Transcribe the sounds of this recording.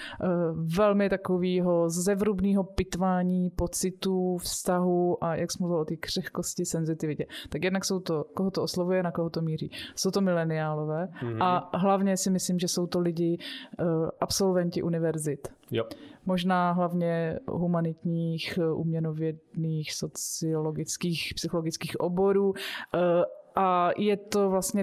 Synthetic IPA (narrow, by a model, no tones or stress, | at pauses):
vɛlmɪt̪akoviːɦo̞zɛvɾubniːɦo̞pɪt̪vaːɲiːpot͡sɪt̪uːfst̪aɦuʔajʔaksɛmluvɪlot̪iːkr̝̥ɛxkoscɪsɛnzɪt̪ɪvɪcɛt̪akjɛdnakso̞wt̪okoɦot̪oʔoslavujɛnakoɦot̪omiːɾḭːso̞wt̪omɪlɛnɪaːlo̞vɛːʔaɦlavɲɛsɪmɪsliːmʒɛso̞wt̪olɪɟɪ | ʔapso̞lvɛncɪʔunɪvɛɾzɪt̪ | moʒnaːɦlavɲɛɦumanɪt̪ɲiːxʔṵːmɲɛnovjɛdniːxso̞t͡sɪoloɡɪt͡skiːxpsɪxolo̞ɡɪt͡skiːxʔobo̞ɾuː | ʔajɛt̪o̞vlast̪ɲɛ